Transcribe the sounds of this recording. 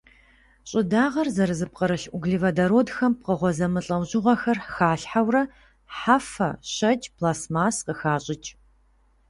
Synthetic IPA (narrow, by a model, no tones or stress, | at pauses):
ɕʼɪdaːʁɐrzɐɾɨzɨp̚qəɾɨɬʔʷʊɡɮivɐdɐɾoːdxɐmp̚qəʁʷɔzɐmɨɬʼɐwʑɪʁʷɐxɐrxaːɬħawrɐ | ħafɐ̰ɕɐt͡ʃʼpʰlaːsmaːsqəxaːɕʼɪt͡ʃʼ